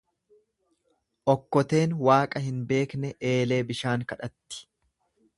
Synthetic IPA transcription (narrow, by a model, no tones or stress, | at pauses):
ʔɔkːɔt̪e̞ːnwaːkʼɐhɪnbe̞ːknɛʔe̞ːle̞ːbɪʃaːŋkɐᶑɐt̪ːɪ̥